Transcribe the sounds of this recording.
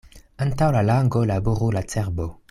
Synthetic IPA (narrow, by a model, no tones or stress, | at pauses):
antawlalaŋɡolabuʁulat͡seʁbo